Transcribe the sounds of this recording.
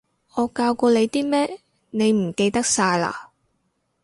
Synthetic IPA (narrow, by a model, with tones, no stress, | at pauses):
ŋɔː˨˧kaː˧wkɔː˧le˨˧jt̪iː˥mɛː˥ | ne˨˧jm̩˨˩ke˧jt̪ɐ˥k̚saː˧jla̰ː˧˨